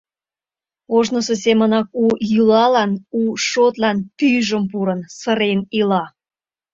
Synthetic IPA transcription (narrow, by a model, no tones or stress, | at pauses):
oʒnəsesemənɑk̚ujylɑlɑnuʃot̪lɑnpyʒəmp̬uɾənsəɾenilɑ